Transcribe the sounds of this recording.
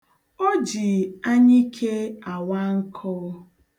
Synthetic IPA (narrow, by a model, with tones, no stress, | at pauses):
o˦d͡ʒi˨a˦ɲi˦kʰe˦a˨wa˦ŋ̩˦kʰɔ˦